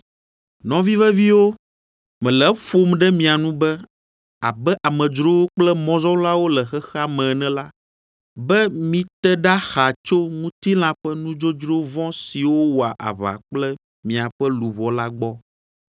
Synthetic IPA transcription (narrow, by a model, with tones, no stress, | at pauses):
nɔ̃˨vi˦vɛ˦vi˦wo˦ | mɛ̃˨lɛ˨ɸo˦mɖɛ˦mĩ˨a˨nũ˦bɛ˦ | a̰˨bɛ˦ʔa˨mɛ̃˨d͡ʒɾo˦wo˦k͡plɛ˦mɔ̃˦zɔ˦la˦wo˦lɛ˨xɛ˦xɛ˦a˦˨mɛ̃˨nɛ̃˨la˦ | bɛ˦mĩ˨t̪ɛ˦ɖa˦xa˨t͡ʃo˦ŋũ˦t̪i˦l̃ã˨ɸɛ˦nũ˦d͡ʒo˦d͡ʒɾo˦vɔ̃˦si˨wo˦wo˨a˨ʔa̰˨βa̰˨k͡plɛ˦ | mĩ˨a˨ɸɛ˦lu˨βɔ˨la˦ɡ͡bɔ˦